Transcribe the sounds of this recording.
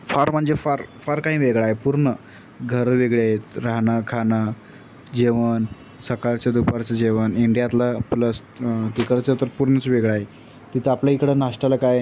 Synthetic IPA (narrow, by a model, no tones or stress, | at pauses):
faɾm̤əɳd͡zefaɾfaɾkaɦĩːʋeɡɭaɦepuɾɳə | ɡʱəɾʋeɡɭeaɦet̪ɾaɦnakʰana | d͡ʑeʋən | səkaɭt͡ɕjad̪upaɾt͡sad͡ʑeʋəniɳɖijat̪lapləs | t̪ikəɭt͡sət̪əɾpuɾɳət͡sʋeɡɭaɦe | t̪it̪ʰəapljaikɽənaʂʈalakaj